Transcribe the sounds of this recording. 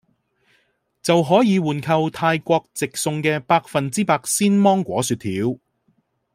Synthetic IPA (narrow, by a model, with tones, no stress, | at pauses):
t͡sɐ˨wɦɔː˨˥jiː˨˧wuː˨nkʰɐ˧wt̪ʰaː˧jkʷɔː˧k̚t͡sɪ˨k̚sʊ˧ŋkɛː˧paː˧k̚fɐ˨nt͡siː˥paː˧k̚siː˥nmɔː˥ŋkʷɔ̰ː˨˥syː˧t̪ʰiː˨˥w